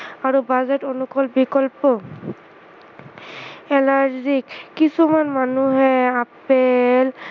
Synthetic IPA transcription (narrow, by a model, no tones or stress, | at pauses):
aɹubazetonukɔlbikɔlpɔ | ɛlaɹzikːisumanmanuɦɛapel